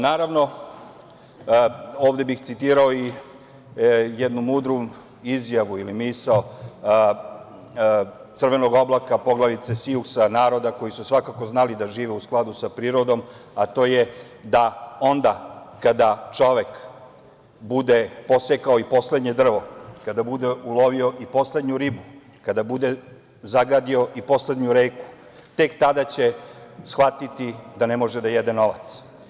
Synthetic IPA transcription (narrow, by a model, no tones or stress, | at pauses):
naːɾaʋno̞ | oːʋd̪e̞bixt̪sit̪iːɾaoi | jɛd̪numuːd̪ɾu | izjaʋuilimisao | t̪sərʋe̞no̞ɡo̞blakapo̞ɡlˠaʋit̪sesiusanaːɾo̞d̪ako̞jisusʋakako̞znalid̪aʒiːʋeusklˠad̪usapɾiːɾo̞d̪o̞m | at̪o̞ːje | d̪ao̞nd̪akad̪at͡ʃo̞ʋek | bud̪epo̞sekaoipo̞sle̞d̪ɲe̞d̪r̩ʋo̞kad̪abud̪eulo̞ʋio̞ʔipo̞sle̞d̪ɲuɾibu | kad̪abud̪e | zaɡad̪io̞ʔipo̞sle̞d̪ɲuɾeːku̥ | t̪e̞kt̪ad̪at͡ɕesxʋat̪it̪id̪anemo̞ʒed̪ajed̪eno̞ʋa̰t̪s